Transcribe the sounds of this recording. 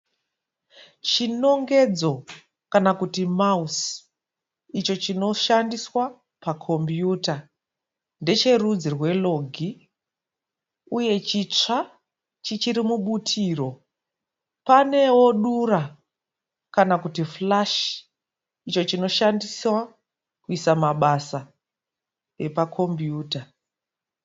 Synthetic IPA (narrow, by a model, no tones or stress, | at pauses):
t͡ʃino̞ŋɡe̞d͡zo̞ | kanakutimaus | it͡ʃo̞t͡ʃino̞ʃandiswa | pakʰo̞mbjuːta | nde̞t͡ʃe̞rud͡zirwe̞lo̞ɡʱi | uje̞t͡ʃit͡ʂa | t͡ʃit͡ʃiɾimuɓutʰiːro̞ | pane̞wo̞ɗuɾa | kanakutiflaʃ | it͡ʃo̞t͡ʃino̞ʃandiswa | kuisamaɓasa | e̞pakʰo̞mbjuːta